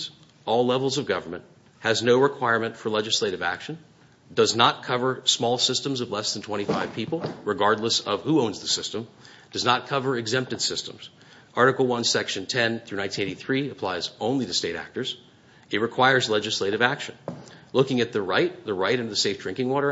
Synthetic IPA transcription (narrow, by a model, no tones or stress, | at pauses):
z | ɔlˠlɛvl̩ˠzʌvɡʌvə˞mɨ̰̃nt | hɨznoʊɹɨkʰw̥aɪɹmɨ̃ntfə˞lɛd͡ʒɨsleɪɾɨvæ̰kʃɨ̃n | dʌznət̚kʰʌvə˞smɔlˠsɪstɨ̃mzʌvlɛsð̃n̩tʰw̥ɛ̃ɾ̃ifaɪv̥pʰipl̩ˠɹɨɡɑɹdˡləsʌv̥huõʊ̃nzðɨsɪstə̃m | d̥ʌznət̚kʰʌvə˞ɨɡzɛ̃mp̚tɨd̥sɪstə̃mz̥ | ʔɑɹɾɨkl̩ˠwʌ̃nsɛkʃɨ̃ntʰɛ̃nθɹʉnãɪ̃ntʰĩneɪɾiθɹiɨpʰl̥aɪzõʊ̃nliɾɨsteɪɾæ̰k̚tə˞z̥ | ɨt̚ɹɨkʰw̥aɪə˞zlɛd͡ʒɨsleɪɾɨvækʃɨ̃nlʊkɪ̃ŋɨt̪̚ðɨɹaɪt̚ðɨɹaɪɾɨ̃ntɨðɨseɪfdɹ̥ɪ̃ŋkɪ̃ŋwɔɾə˞